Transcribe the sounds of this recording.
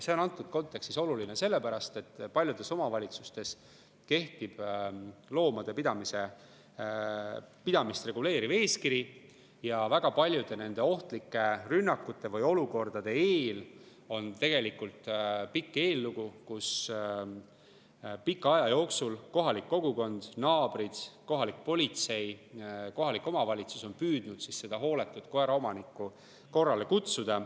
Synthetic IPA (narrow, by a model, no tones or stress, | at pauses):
se̞o̞nɑnt̪ˑːud̪̥̚ko̞nt̪ːˑe̞kst̪iso̞luline̞se̞lːe̞pæɾɑst̪e̞t̪ːpɑlʲjud̪̥e̞so̞mɑvɑlʲit̪su̥st̪e̞s | ke̞ht̪ib̥ | lo̞ːmɑd̪̥e̞pid̪ɑmise̞ | pid̪̥ɑmist̪re̞ɡ̥ule̞ːɾive̞ːskiɾi | jɑvæɡ̥ɑpɑlʲjud̪̥e̞ne̞nd̪̥e̞o̞ht̪likːˑe̞rynːɑkːˑut̪ːˑe̞vɤjo̞luko̞rd̪̥ɑd̪̥e̞eːl | o̞nt̪e̞ɡ̥e̞likult̪pikːˑeːlːuɡ̥ukus | pikːˑɑjɑjo̞ːksulko̞ɦɑlikːo̞ɡ̥uko̞nd̪̥nɑːb̥ɾid̪̥ko̞ɦɑlik̚po̞lʲit̪se̞jko̞ɦɑlikːˑo̞mɑvɑlʲit̪su̥so̞npyːd̪̥nud̪̥sisːe̞d̪̥ɑɦo̞ːle̞t̪ːˑut̪koeɾɑo̞mɑnikːˑu | ko̞rːɑle̞kut̪sud̪̥ɑ